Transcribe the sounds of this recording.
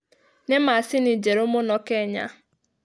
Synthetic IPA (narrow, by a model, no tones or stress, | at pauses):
nemaasɪnid͡ʒeɾʊmʊnɔkeɲa̰